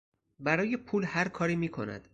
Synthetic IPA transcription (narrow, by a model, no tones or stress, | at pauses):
bæɾɒːjepʰuːlhæɾkʰɒːɾiːmiːkʰo̞̰næ̰d̪̥